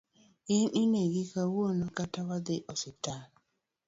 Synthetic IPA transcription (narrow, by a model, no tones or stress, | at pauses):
ɪnineɡɪkawonokatawad̪ɪʔɔsɪtal